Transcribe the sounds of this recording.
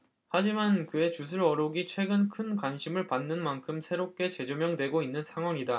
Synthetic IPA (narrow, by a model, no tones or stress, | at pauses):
had͡ʑimankɯe̞t͡ɕus̬ʰɯɾʌɾoɡit͡ɕʰwe̞ɡɯnkʰɯnkwanɕʰimɯɭpanːɯnmankʰɯmsʰe̞ɾop̚k͈e̞t͡ɕe̞d͡ʑomjʌŋdwe̞ɡoinːɯnsʰaŋɦwaŋida